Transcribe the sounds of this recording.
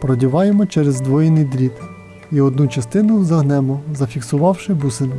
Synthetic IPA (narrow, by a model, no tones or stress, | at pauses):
pɾɔdʲiʋɑjemɔt͡ʃɛɾɛzd̪ʋɔjinɪjd̪ɾʲit̪ | iɔd̪nut͡ʃɐst̪ɪnʊzɐɦnɛmɔzɐfʲiksʊʋɑwʃɪbusɪn